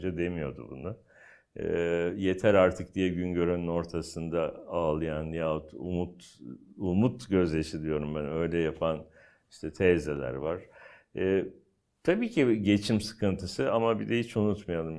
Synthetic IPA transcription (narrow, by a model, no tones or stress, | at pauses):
d͡ʒad̪e̞mijo̞d̪ṵbunʊ | ɛ̰ːje̞t̪ʰæɾaɾt̪ʰɯk̚d̪ijɛɟynɟø̞ɾønyno̞ɾt̪ʰasɯnd̪aaːlˠɯjanjat̪ṵmut̪umut̪ɟø̞zlʲeʃilʲijo̞ɾumbænø̞jlʲɛjapʰan | iʃt̪ʰɛt̪ʰɛzelʲæ̰ɾvaɾ̥ | ɛː | t̪ʰabiːcʰiɟe̞t͡ʃʰimsɯ̥kɯnt̪ʰɯsɯamabid̪ɛhit͡ʃunut̪majalˠɯm